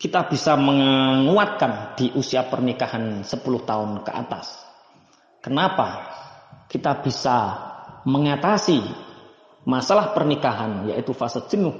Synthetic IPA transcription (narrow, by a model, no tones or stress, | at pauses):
kit̪ab̥i̤saməŋuat̪̚kand̪̥iʔusiapərnikahansəpulʊht̪aʊnkəʔa̰t̪a̰s | kənapa | kit̪ab̥i̤sa | məŋat̪asi | masalahpərnikaɦanja̰ʔit̪ufasət̪̚d͡ʒ̥ənʊh